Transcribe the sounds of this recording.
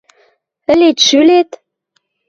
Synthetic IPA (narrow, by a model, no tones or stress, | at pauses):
ə̆let̪ʃylet̪